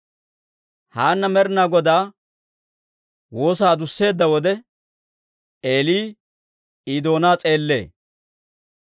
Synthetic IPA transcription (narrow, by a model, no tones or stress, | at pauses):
haːnːɐmɛɾnaːɡɔd̪aː | wo̞ːs̬aːd̪ʊsːe̞ːd̪ːɐwɔd̪ɛ | ʔe̞ːliː | iːd̪o̞ːnaːt͡sʼe̞ːlːe̞̰ː